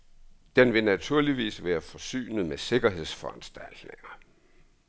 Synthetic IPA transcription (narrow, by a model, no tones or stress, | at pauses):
d̥enʋe̝næt͡sʰuɐ̰liʋḭːsʋæːɐfɒ̽sy̰ːnð̞̩ˠmese̝ɡ̥ɐɦe̝ð̞ˠsfɒ̽ænsd̥æl̰d̥ne̝ŋɐ